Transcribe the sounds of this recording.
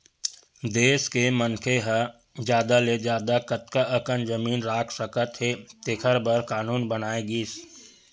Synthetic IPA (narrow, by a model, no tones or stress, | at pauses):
d̪eːskemənkʰeɦə | d͡ʒjaːd̪aled͡ʒaːd̪akət̪kaʔəkənd͡ʒəmiːnɾaːkʰsəkət̪ɦet̪ekʰəɾbəɾkaːnuːnbənaːeɡiːs